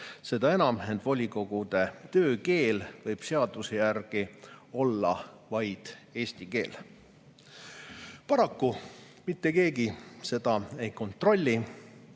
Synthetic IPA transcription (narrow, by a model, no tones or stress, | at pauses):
se̞d̪̥ɑe̞nɑmend̪vo̞lʲiko̞ɡ̥ud̪̥e̞t̪ø̞ːke̞ːlvɤjb̥se̞ɑd̪̥usejærɡ̥io̞lːɑ̰ | vɑjd̪̥e̞ːsʲt̪ike̞ːl | pɑɾɑkːu | mit̪ːe̞ke̞ːɡise̞d̪̥ɑe̞jko̞nt̪ˑro̞lʲːi